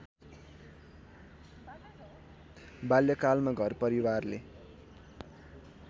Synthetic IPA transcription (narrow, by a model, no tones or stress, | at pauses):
baljʌkalmaɡʱʌrpʌɾiwarle